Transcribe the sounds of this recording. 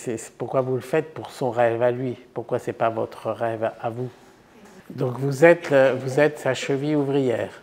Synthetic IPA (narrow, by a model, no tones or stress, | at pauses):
sɛsɛ̥puʁkwavuləfɛt̪̚puʁsɔ̃ʁɛvalɥipuʁkwasɛpavɔt̪χəʁɛvavu | d̪ɔ̃kvuzɛt̪vuzɛt̪saʃəviuvʁijɛːʁ